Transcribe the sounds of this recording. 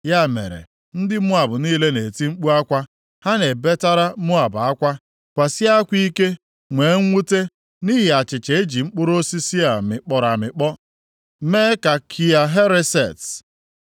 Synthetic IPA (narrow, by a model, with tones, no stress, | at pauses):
ja˦˨mḛ˨ɾḛ˨ | n̩˦dɪ˦mʊ˦a˨bʊ˨niː˦le˦ne˨ti˦ŋ͡m̩˦k͡pu˦a˦kʷa˦ | ha˦ne˨be˦ta˦ɾa˦mʊ˦a˨ba˦kʷa˦ | kʷa˨sɪ˦a˦kʷi˦ke˦ | ŋʷe˨˦ŋ̩˦ŋʷu˦te˦ | niː˦ɦɪ˨a˨t͡ʃɪ˨t͡ʃe˨e˦d͡ʒi˨ŋ͡m̩˦k͡pʊ˦ɾo˦si˦si˦a˨mɪ˨k͡pɔ˨ɾa˨mɪ˨k͡pɔ˦ | meː˦ka˨kʰi˨a˨ɦe˦ɾe˦se˨t